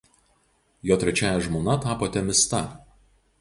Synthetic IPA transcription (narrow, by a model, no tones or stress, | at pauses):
joːt̪ʲɾʲɛt͡ʃʲæːjɛʒmoːnɐt̪ɑːpoːt̪ʲɛmʲɪst̪ɐ